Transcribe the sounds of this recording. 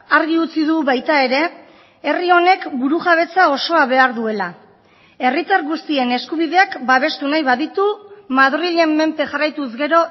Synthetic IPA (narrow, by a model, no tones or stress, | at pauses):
aɾɣiut͡siðuβajt̪ae̞ɾe̞ | erio̞ne̞kbuɾuʝaβ̞e̞t͡sao̞so̞aβe̞aɾðue̞la | e̞rit̪aɾɣust̪ie̞ne̞skuβ̞ið̞e̞akbaβ̞e̞st̪unajβaðit̪umaðriʎe̞mːe̞mpe̞ʝarajt̪uzɣe̞ɾo̞